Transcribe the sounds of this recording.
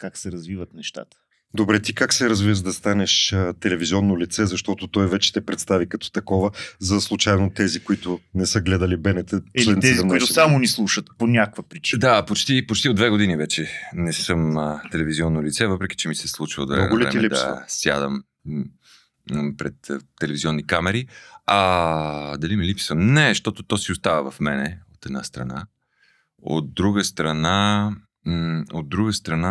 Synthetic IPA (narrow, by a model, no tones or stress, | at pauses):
kaksɛɾɐzvivət̪nɛʃt̪a̰t̪ə̥ | d̪obɾɛt̪ikaksɛɾɐzvivəʒd̪ɐst̪anɛʃət̪ɛlɛvizʲiɔnːolit̪sɛzɐʃt̪ɔt̪ot̪ɔjvɛt͡ʃɛ̥t̪ɛpɾɛt̪st̪avikɐt̪ɔ̥t̪ɐkɔvəzɐslˠut͡ʃajnot̪ɛzikoit̪ʊnɛsəɡlɛd̪əlibɛnɛt̪ət͡ʃiliɛnit̪iziɐmnʊit̪ʊsamonislˠuʃət̪ponʲakkvəpɾit͡ʃi̥d̪apot͡ʃt̪ipot͡ʃt̪iod̪d̪vɛɡod̪inivɛt͡ʃɛnɛsɤmnət̪ɛlɛviziɔnːolit̪sɛvɤpɾɛk̟i̥t͡ʃɛmisɛslˠut͡ʃio̰d̪vɛ̰lvɛ̰ɛlid̪ɐ̰sja̰d̪əm | pɾɛt̪t̪ɛlɛviziɔnːikamɛɾiɐ | d̪ɐlimilipsəmnɛʃt̪ɔt̪ot̪ɔsiost̪avəvɐfmɛnɛot̪ɛd̪nast̪ɾɐ̰na | o̰t̪̚d̪ɾuɡəst̪ɾɐna | od̪̚ːɾuɡəst̪ɾɐna